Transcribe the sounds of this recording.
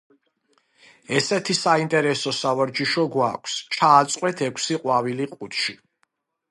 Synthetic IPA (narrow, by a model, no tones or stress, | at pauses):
ɛsɛt̪ʰisaint̪ʼɛɾɛsɔsavaɾd͡ʒiʃɔɡwakʷʰst͡ʃʰaːt̪sʼqʼwɛt̪ʰɛkʷʰsiqʼwaviliqʼut̪ʰʃi